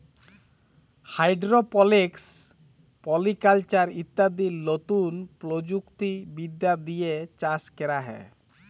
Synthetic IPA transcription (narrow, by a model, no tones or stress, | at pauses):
hajɖɾopɔleks | pɔlikalt͡ʃaɾit̪ːad̪iɾlot̪unpɾod͡ʑukt̪ibid̪ːad̪ijet͡ɕaskeɾaɦɛ̰